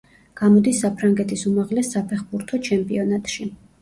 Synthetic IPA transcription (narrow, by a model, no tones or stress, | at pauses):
ɡ̥amɔd̪isːapʰɾaŋɡɛt̪ʰisumaʁlɛsːapʰɛχbuɾt̪ʰɔt͡ʃʰɛmpʼḭɔnat̪ʼʃi